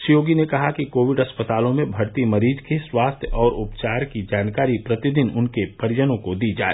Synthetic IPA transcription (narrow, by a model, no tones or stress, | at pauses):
sijoːɡinekɐɦakikoːʋɪɖɐspət̪aːlõmẽbʱɐɾt̪imɐɾiːd͡ʒkeswaːst̪ʰjəɔːɾʊpt͡ʃaːɾkid͡ʒaːnkaːɾipɾɐt̪ɪd̪ɪnʊnkepɐɾd͡ʒənõkod̪id͡ʒa̰ːḛː